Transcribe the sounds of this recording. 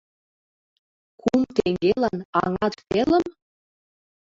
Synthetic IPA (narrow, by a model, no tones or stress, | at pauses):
kumt̪eŋɡʲelænɑŋɑt̪pelə̆m